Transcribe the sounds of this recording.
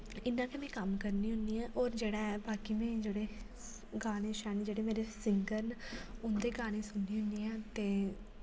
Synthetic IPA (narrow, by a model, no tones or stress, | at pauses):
ɪnːãːkemɛ̃ːkəmkəɾniːɦʊ̃nd̪iːɛ̃ːʔɔːɾd͡ʒeːɽaːɛːbaːkiːmɛ̃ːd͡ʒeːɽeː | ɡaːɽ̃ẽːʃɛːned͡ʒeːɽeːmeːɾeːsɪŋɡəɾnʊnd̪eːɡaːɽ̃ẽːsʊnːiːɦʊnd̪iːãːt̪eː